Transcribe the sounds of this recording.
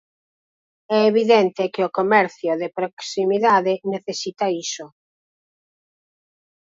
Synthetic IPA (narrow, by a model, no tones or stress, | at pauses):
ɛeβiðɛnt̪ɪkɪokomɛɾθjʊðepɾoksimiðaðeneθesit̪aisʊ